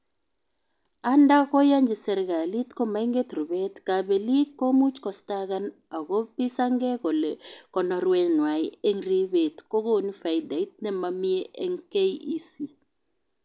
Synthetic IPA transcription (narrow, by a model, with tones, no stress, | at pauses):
a˦nda˦ɣɔ˦ja˦ɲd͡ʒi˨sɛ˨ɾɣa˨li˦t̪kɔ˦ma˨˦i˦ŋɡe˦t̪ɾu˨βɛ˦tka˨bɛ˨li˦ko˦mu˦t͡ʃkɔ˨sta˦ɣa˦n | a˨ɣo˦pi˦sa˦ŋɡɛ˦kɔ˨lɛ˨kɔ˨nɔ˨ɾwɛ˦nwa˨jɛ˦ŋri˦βe˨tko˦ɣo˦˨ni˦fa˨jda˨i˦t̚nɛ˦ma˨mi˦ɛ˦ʔɛ˦ŋke˦ii˦si˨